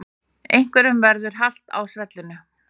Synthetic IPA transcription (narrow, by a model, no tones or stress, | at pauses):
ejŋ̥kvɛɾʏmvɛɾðʏɾ̥ɦal̥t̪a̰wsvɛt̪lʏnʏ